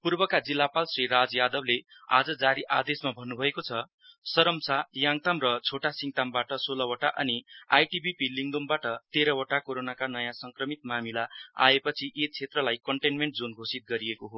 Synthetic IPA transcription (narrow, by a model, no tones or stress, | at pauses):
purbʌkad͡zilːapalsrirad͡zjad̪ʌblea̰d͡zʌd͡zaɾiʔad̪esmabʱʌnːubʱʌekot͡sʰʌ | sʌɾʌmsajaŋt̪amrʌt͡sʰoʈasiŋt̪ambaʈʌsolʌwʌʈaʔʌniajʈibʱipiliŋd̪ombaʈʌt̪eɾʌwʌʈakoɾonakanʌjãsʌŋkrʌmit̪̚mamilaa̰epʌt͡sʰiʔet͡sʰet̪rʌlajkʌɳʈenmeɳʈd͡zonɡʱosit̪̚ɡʌɾiekoɦo